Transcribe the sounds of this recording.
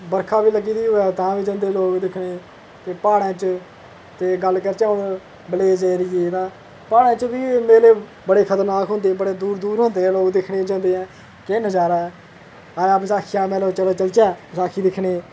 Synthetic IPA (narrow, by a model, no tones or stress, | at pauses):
bəɾkʰaːbiːləɡiːd̪iːoːɛːt̪ãːʋiːd͡ʒãːnd̪eːloːkd̪ɪkʰɽeː | t̪eːpaːɽãːt͡ʃ | t̪eːɡəlkəɾt͡ʃãːʊn | bəleːd͡ʒeːɾɪjeːt̪ãː | paːɽãːt͡ʃbiːmeːleː | bəɽeːkʰət̪əɾnaːkɦõːnd̪eːbəɽeːd̪uːɾd̪uːɾɦõːnd̪eːɛ̃ːloːkd̪ɪkʰɽeːd͡ʒãːnd̪eːɛ̃ː | keːnəd͡ʒaːɾaːɦɛː | ãːabzaːkʰɪjãːmɛ̃ːloːt͡ʃəloːt͡ʃəlt͡ʃɛ̃ːzaːkʰiːd̪ɪkʰɽeː